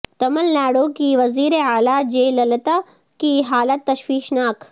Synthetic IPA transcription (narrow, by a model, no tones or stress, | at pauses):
t̪ɐmɐlnaːɽoːkiːʋɐziːɾeaːlaːd͡ʒeːlɐlɐt̪a | kiːɦaːlɐt̪ːɐʃʋiːʃnaːk